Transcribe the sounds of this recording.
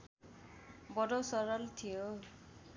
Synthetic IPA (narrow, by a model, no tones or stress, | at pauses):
bɔdɔsɔɹɔlt̪ʰijo